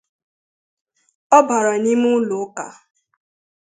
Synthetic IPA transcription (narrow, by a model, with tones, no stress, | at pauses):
ɔ˦ba˨ɾa˨ni˦mu˦lʊ˨˦ka̰˨